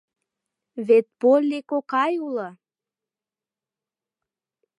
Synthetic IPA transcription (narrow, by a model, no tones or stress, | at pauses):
βet̪̚polʲːekokɑjulə